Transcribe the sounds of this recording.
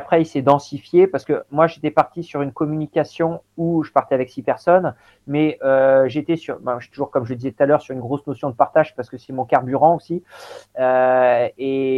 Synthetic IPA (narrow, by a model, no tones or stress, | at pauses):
apχɛisɛd̪ɑ̃sifjepaʁsə̥kəmwaʒet̪ɛpaʁt̪isyʁynkɔmynikʲasjɔ̃ | uʒəpaʁt̪ɛavɛksipɛʁsɔn | mɛøʒet̪ɛsyʁbãʃy̥t̪uʒuʁkɔmʒəd̪izɛt̪̚ut̪alœʁsyʁynɡʁosnosjɔ̃d̪əpaʁt̪aʒpaʁsə̥kəsɛmɔ̃kaʁbyʁɑ̃osiø | e